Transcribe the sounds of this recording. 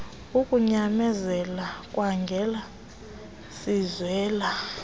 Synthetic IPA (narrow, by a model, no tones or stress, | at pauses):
ukʼuɲamɛzɛlakʼwaŋɡʱɛla | sizwɛːla